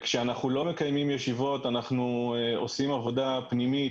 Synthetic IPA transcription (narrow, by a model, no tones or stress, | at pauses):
kʃeanaχnulo̞me̞kajmimjeʃivo̞t̪anaχnuo̞̰simavo̞dapnimit